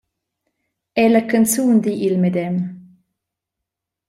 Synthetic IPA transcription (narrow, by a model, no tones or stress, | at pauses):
ɛləkant͡suːnd̪iʔilmɛd̪ɛm